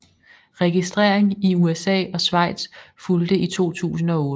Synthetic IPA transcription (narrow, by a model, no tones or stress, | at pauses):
ʁɛɡ̥isd̥ʁeɐ̰eŋiuesɛ̰ːɒ̽sʋɑ̈ɪ̰d̥sfuld̥əit͡sʰo̝̰ːt͡sʰṵːsn̩ɒ̽ɔː